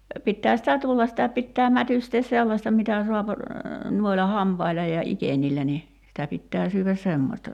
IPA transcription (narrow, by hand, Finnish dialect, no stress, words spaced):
no pitːæː sitæ tulːɑs sitæ pitːæː mætysteːs selːɑsʲtɑ mitæ suɑp nuoilɑ hɑmpɑilɑ jɑ ikenʲilːæ ni sitæ pitːæː syːʋæs semːosʲtɑ